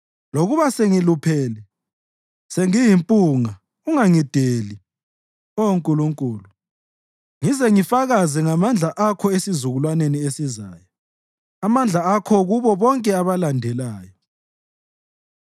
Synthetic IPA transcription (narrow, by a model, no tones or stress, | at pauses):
loɣuβaseŋilupʰeːlɛ | seŋijimpʼuːŋa | uŋaŋid̥ʱeːli | ɔoŋkʼuluŋkʼuːlu | ŋizɛŋifaɣazɛŋamand͡ɮʱaʔakʰɔesizuɣulwaneniesizaːjɔ | amand͡ɮʱaakʰɔɣuβɔβɔŋkʼɛaβalandʱɛlaːjɔ